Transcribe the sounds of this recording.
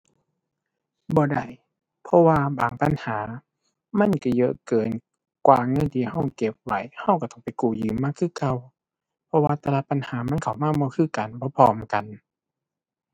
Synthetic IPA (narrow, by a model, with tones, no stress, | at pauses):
bɔː˧˦da˧˩˨j | pʰɔ˧waː˧baː˨˩ŋpa˨nhaː˩˦ | ma˧˥˨nka˧˩jɤ˧ʔkɤː˨˩n | kwaː˧˩ŋɤ˧˥˨nt̪ʰiː˧˨˧ɦa˧˥˩wke˧˦p̚wa˧˩˨jha˧˩˨wka˧˩t̪ɔ˧˩ŋpa˨jkuː˨˩jɯː˨˦mːaː˧˥˨kʰɯː˧˥˨kʰa˧˨w | pʰɔ˧waː˧t̪a˧laː˧t̪̚pa˨nhaː˨˦ma˧˥˨nkʰa˨˩wmaː˧˥˨bɔː˧˦kʰɯː˧˩˨ka˨nbɔː˧˦pʰɔː˧mka˨n